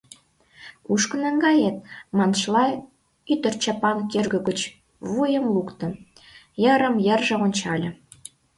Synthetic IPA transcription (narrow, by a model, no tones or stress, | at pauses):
kuʃkə̆nəŋɡɑjet̪̚mɑnʃlɑ | yt̪ə̆rt͡ɕɑpɑnk̪ʲerɡə̆ɡət͡ɕ | βujə̆mlukt̪ə̆n | jə̆ɾə̆mjə̆rʒĕonʲt͡ɕɑlʲə̆